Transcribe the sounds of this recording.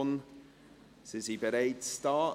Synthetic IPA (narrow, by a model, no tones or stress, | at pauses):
n | sɪzibəɾeɪtstɑː